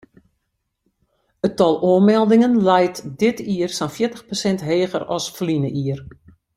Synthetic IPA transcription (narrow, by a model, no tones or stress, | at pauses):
ətɔlˠoəmɛlˠdɪŋənlɛjtdɪtiərsanfjɪətəxposɛntɦeːɣərɔsflinəʔiər